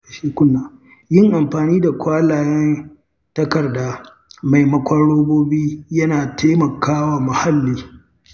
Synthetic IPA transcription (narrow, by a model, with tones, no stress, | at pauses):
a˨ʃeː˦kʷʊ˦nːaː˨ | jɪ˦ŋʔa˨mɸaː˨niː˦da˨kʷaː˦laː˨jɛ˦n | tɐ˦kɐ˨rdaː˦ | ma˨jmɐ˦kʷɐ˦ɽoː˦boː˦biː˦jɐ˦naː˨tʰeː˦mɐ˨kʰaː˦waː˨mʊ˨ha˦lːiː˦